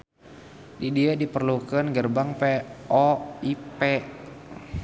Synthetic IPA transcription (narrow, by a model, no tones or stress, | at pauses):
didiadipərlukənɡərbaŋpeʔɔipe